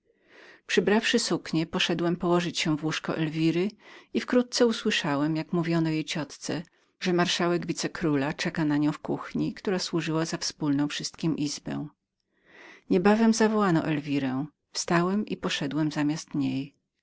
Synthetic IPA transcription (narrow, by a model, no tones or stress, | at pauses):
pʂɘbɾafʂɘsukɲɛpɔʂɛd̪wɛmpɔwɔʐɘt͡ɕɕɛvwuʂkɔ̰ʔɛlvʲiɾɘifkɾut̪̚t̪sɛuswɘʂawɛmjakmuvʲjɔnɔjejt͡ɕɔt̪t̪sɛ | ʐɛmaɾʂawɛɡvʲit̪sɛkɾulat͡ʂɛkanaɲɔ̃w̃fkuxɲikt̪uɾaswuʐɘwazafspulnɔ̃w̃fʂɘst̪̚kʲimʔizbɛ̰̃w̃ | ɲɛbavɛmzavɔwanɔ̰ʔɛlvʲiɾɛ̃ | fst̪awɛmʔipɔʂɛd̪wɛmzamʲast̪ɲej